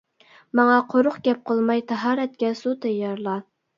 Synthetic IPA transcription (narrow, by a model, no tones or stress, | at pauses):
mɑŋɑqʰoɾʊχɡʲɛp̚qʰəlˠmɑjt̪ʰɑɦɑːɾɛt̪̚kʲɛsut̪ʰɛjːɑɾlˠɑ